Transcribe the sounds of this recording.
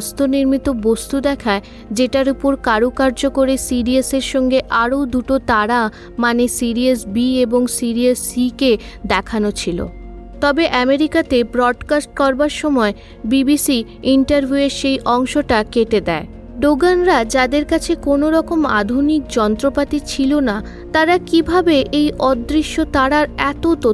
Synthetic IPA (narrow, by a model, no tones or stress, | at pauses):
st̪oniɾmit̪obost̪ud̪ɛkʰae | d͡ʑeʈaɾupoɾkaɾukaɾd͡ʑokoɾesiɾieseɾʃɔŋɡeʔaɾod̪uʈot̪aɾa | manesiɾiesbieboŋsiɾiesːike | d̪ɛkʰanot͡ɕʰilo̰ | t̪ɔbeʔɛmeɾikat̪ebɾɔɖkasʈ̚kɔɾbaɾʃɔmɔe | bibisi | iɳʈaɾbʱjueɾʃejʔɔŋʃoʈakeʈed̪ɛe | ɖoɡanɾad͡ʑad̪eɾkat͡ɕʰekonoɾɔkoma̰d̪ʱunik̚d͡ʑɔnt̪ɾopat̪it͡ɕʰilona | t̪aɾakibʱabeʔejʔɔd̪ːɾiʃːot̪aɽaɾɛt̪ot̪o